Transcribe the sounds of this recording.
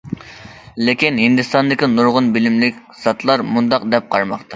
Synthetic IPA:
lɪkʲinhind̪ɨst̪ɑnd̪ɪkʲinuɾʁʊnbɪlɪmlɪkʲ | z̥ɑt̪lˠɑɾmund̪ɑqd̪ɛp̚qʰɑɾmɑqt̪ɑ

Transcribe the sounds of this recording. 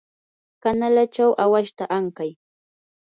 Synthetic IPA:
kanalat͡ʃawʔawaʃt̪aʔaŋkaj

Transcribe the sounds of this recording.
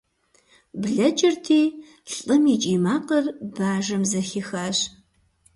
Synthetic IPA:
bɮɐt͡ʃʼɪrtʰiː | ɬʼɨmiːt͡ʃʼiːmaːqərbaːʒɐmzɐxixaːɕ

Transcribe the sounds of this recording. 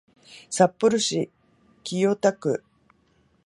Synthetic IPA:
sapːɯɾɯ̟ɕi | kʲijot̪akɯ̟

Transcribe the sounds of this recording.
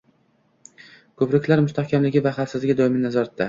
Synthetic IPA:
kʰɵpɾɪkʲlaɾmʊst̪ʰahkʲamlɪɡʲɪvaχafsɪzlɪɡʲɪd̪ɒɪmɪnazɒɾat̪̚ʰːa

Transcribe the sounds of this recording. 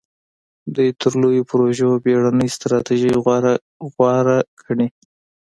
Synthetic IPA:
d̪ujt̪ʰəɾlojopɾoʒobeɽanəjst̪ɾɑt̪iʒəj | ɣwɑɾakʰəɽi

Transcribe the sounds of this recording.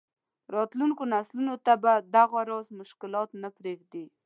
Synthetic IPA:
ɾɑt̪luŋkonaslunot̪abad̪aɣaɾɑzmʊʃkɪlɑt̪napɾeɡd̪i

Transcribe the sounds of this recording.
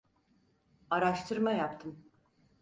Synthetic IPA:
aɾaʃt̪ʰɯɾmajapt̪ʰɯm

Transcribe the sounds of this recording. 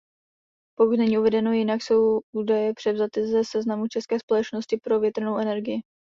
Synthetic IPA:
po̞kut̪nɛɲiːʔuvɛdɛno̞jɪnakso̞wʔuːdajɛpr̝̥ɛvzat̪ɪzɛsɛznamut͡ʃɛskɛːspo̞lɛt͡ʃno̞scɪpɾo̞vjɛt̪rno̞wʔɛnɛɾɡɪjɪ

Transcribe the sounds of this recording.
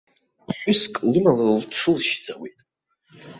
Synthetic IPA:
ħʷʏskʼlɨmalalʈ͡ʂʰɨlʃd͡zawitʼ

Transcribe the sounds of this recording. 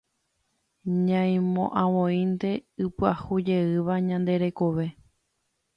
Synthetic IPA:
ɲãj̃mõ̰ʔãʋõĩnt̪e̞ɨpɨahud͡ʒe̞ɨʋaɲãnd̪e̞ɾe̞koʋe̞

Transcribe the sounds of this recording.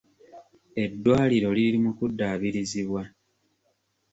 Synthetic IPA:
e̞dːwaːliɾo̞lilimukudːaβiɾiziβwa

